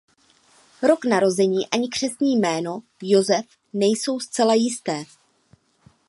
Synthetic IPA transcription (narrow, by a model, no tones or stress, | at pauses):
ɾo̞knaɾo̞zɛɲiːʔaɲɪkr̝̥ɛsɲiːjmɛːno̞ | jozɛf | nɛjso̞wst͡sɛlajɪst̪ɛː